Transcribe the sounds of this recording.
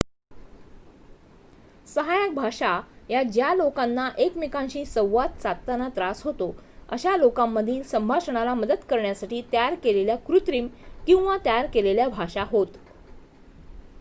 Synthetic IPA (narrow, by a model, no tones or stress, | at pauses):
səɦajak̚bʱaʂajad͡ʑjalokanːaʔekmikãnɕiːsəwʋat̪̚t͡sat̪ːanat̪ɾasɦot̪oə̰ɕalokamːəd̪ʱiːnsəmbʱaʂəɳ̃alaməd̪əd̪kəɾɳjasaʈiːt̪jaaɾkeleljakɾut̪ɾiːmkĩw̃ʋat̪jjaɾkeleljabʱaʂaɦot̪